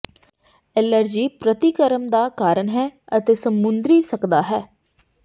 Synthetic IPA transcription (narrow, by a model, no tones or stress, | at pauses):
ɛləɾd͡ʒiːpɾət̪ikəɾəmd̪aːkaːɾənɦɛːət̪eːsəmːʊnd̪ɾiːsəkd̪aːɦɛː